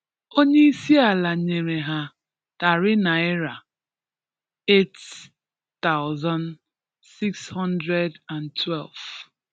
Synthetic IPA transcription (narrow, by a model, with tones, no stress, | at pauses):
o˦ɲe˦i˦si˦a˨la˨ɲe˨ɾe˨ɦa˨ | ta˨ɾɪ˦na˨ɪ˦ɾa˨ | e˦t | ta˦ʊzã˦n | si˦kshɔ̃˦ndɾɛ˦da˨ntʰwɛ˦lv